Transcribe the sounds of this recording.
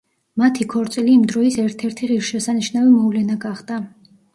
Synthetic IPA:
mat̪ʰikʰɔɾt̪sʼiliːmd̪ɾɔisɛɾt̪ʰɛɾt̪ʰiʁiɾʃɛsaniʃnavimɔvlɛnaɡaχd̪a

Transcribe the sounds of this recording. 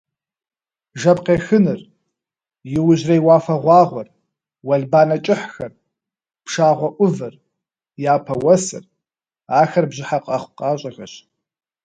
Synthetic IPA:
ʒɐpqeːxɨnɨr | jɪwʊʑrɐjwɑːfɐʁʷɑːʁʷɔr | wɐɮbaːnɐt͡ʃʼɪħxɐr | pʂaːʁʷɔʔʷʊvɨr | jaːpʰɐwɐsɨ̰r | aːxɐrbʑɪħaqʼɐχʷqɑːɕʼɐɣɐɕ

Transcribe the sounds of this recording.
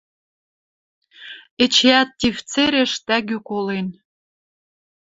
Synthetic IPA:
ĕt͡ɕeɑt̪ːift͡seɾʲĕʃt̪æɣykolen

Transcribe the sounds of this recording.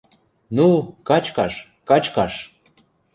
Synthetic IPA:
nukɑt͡ɕkɑʃ | kɑt͡ɕkɑʃ

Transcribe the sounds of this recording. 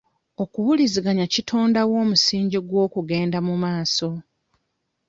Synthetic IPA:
o̞kuwuliziɡaɲacitʰoːndawo̞ːmusiːɲɟiɡwo̞ːkuɡe̞ːndamumaːso̞

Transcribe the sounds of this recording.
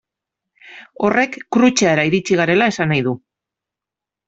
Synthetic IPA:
o̞re̞kːɾut͡ʃaeɾaiɾit͡ʃiɣ̞aɾe̞lae̞sanajðu

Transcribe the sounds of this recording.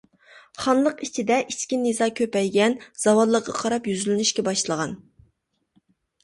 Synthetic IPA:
χɑnlˠəqit͡ʃʰɪd̪ɛʔiskʲinezɑkʲʰøpɛjɡʲɛnz̥ɑwɑlˠːəqːɑqʰɑɾɑpjyzylɪnyʃkʲɛbɑʃlˠəʁɑn

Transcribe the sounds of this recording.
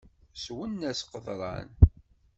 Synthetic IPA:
swənːæsqəðˤɾˤɑ̰n

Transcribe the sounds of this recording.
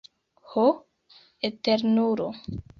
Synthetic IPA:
ho | eteɾnuɾo

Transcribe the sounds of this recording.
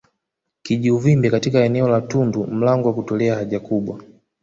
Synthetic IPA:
kiʄiuvimbɛkatikaɛnɛɔlatundum̩laŋɡɔwakutɔlɛahaʄakuɓwa

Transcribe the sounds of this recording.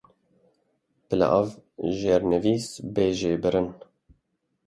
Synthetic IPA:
pɨla̰ʔavʒeːɾnɛviːsbeːʒeːbɨɾɨn

